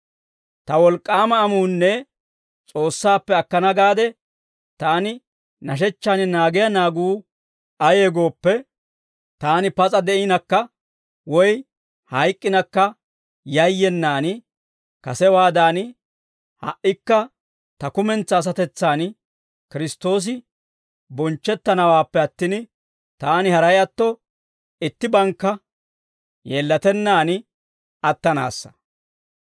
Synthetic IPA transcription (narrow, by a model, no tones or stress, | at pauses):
t̪ɐwɔlkʼːaːmɐːmuːnːɛ | t͡sʼo̞ːsːaːpːɛɐkːɐnɐɡaːd̪ɛ | t̪aːnɪ | nɐʃ̬ɛt͡ʃːaːnɪnaːɡɪjɐnaːɡuː | ɐje̞ːɡo̞ːpːɛ | t̪aːnɪpɐt͡sʼɐd̪ɛɪnɐkːɐ | wɔj | hɐjkʼːɪnɐkːɐ | jɐjːɛnːaːnɪ | kɐsɛwaːd̪aːn | hɐ̰ʔɪkːɐ | t̪ɐkʊmɛnt͡sːɐːs̬ɐt̪ɛt͡sːaːn | kɪɾɪst̪o̞ːs̬ɪ | bɔnt͡ʃːɛt̪ːɐnɐwaːpːɛɐt̪ːɪn | t̪aːnɪhɐɾɐjɐt̪ːɔ | ɪt̪ːɪbɐŋkːɐ | jeːlːɐt̪ɛnːaːnɪ | ɐt̪ːɐna̰ːsːɐ̥